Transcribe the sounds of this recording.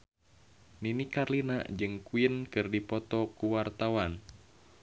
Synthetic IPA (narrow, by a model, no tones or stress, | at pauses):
ninikarlina̰d͡ʒɨŋkuinkɨrdipɔt̪ɔkuwart̪awan